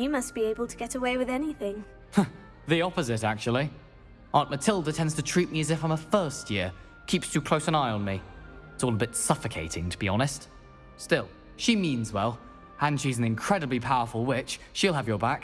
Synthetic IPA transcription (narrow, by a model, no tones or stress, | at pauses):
jɨmʌsb̥ieɪbəl̩ˠtʰəɡɛɾəweɪwɨðɛniθɪ̃ŋ | ðiɑpəzɪɾæk̚t͡ʃul̩ˠi | ʔɑ̃ɹnʔmɨtʰɪlˠdətʰɛ̃ndz̥tʰɨtʰɹ̥it̚miɨzɨfãɪ̃məfɜ˞st̚jɪɹ | kʰipstʰʉkʰl̥oʊsə̃naɪə̃nmiɪtsɔlˠəbɪtsʌfɨkʰeɪɾɪ̃ŋtʰəbiɑñɨst | stɪlˠ | ʃimĩnzwɛlˠ | ə̃nʃizn̩ɨ̃nkʰɹ̥ɛɾɨblipʰaʊə˞fəl̩ˠwɪt͡ʃʃilˠəvjə˞bæk